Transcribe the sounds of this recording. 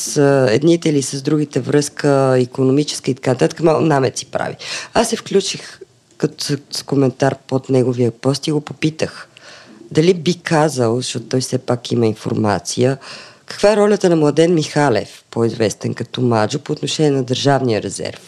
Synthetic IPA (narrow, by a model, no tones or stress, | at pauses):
səɛ̰d̪nit̪ɛilisəzd̪ɾuɡit̪ɛvɾɤskəikonomit͡ʃɛ̥skəit̪ɐ̥kanət̪at̪ə̥kəmalˠkʊnamɛt̪si̥pɾa̰vḭasːɛfklʲut͡ʃix | kət̪sskomɛnt̪aɾpot̪nɛɡoviəpɔst̪iɡopopit̪əx | d̪ɐlibikazəlˠzɐʃt̪ɔt̪ʊt̪ɔjfsɛpakiməinfo̰ɾma̰t̪sijəkɐ̥kvaɛɾɔlʲət̪ənɐmlˠɐd̪ɛnmixalɛ̰fpoizvɛst̪ɛnkɐt̪ɔmad͡ʒopoːt̪noʃɛnʲiɛnɐd̪əɾʒavnijəɾɛzɛ̰ɾf